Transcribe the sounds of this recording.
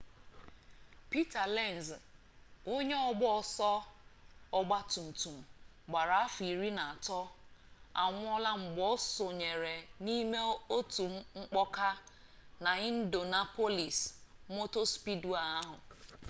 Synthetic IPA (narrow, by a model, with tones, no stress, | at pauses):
pi˦ta˨le˦˨n˨z | o˦ɲe˦ɔ˨ɡ͡bɔ˦ɔ˨sɔ˦ | ɔ˦ɡ͡ba˦tu˨n̩˨tu˨m̩˨ | ɡ͡ba˨ɾa˨a˦fi˨ɾi˦na˨a˨tɔ˦ | a̰˨ŋʷ˦ɔ˦la˦ŋ͡m̩˨ɡ͡bɔ˦so˨ɲe˨ɾe˨ni˦me˦o˦tu˨ŋ͡mŋ͡m̩˦k͡pɔ˦ka˦ | na˨i˦n̩˦do˨na˦po˦li˨smo˦to˦spi˦du˦a˨a˦ɦʊ˨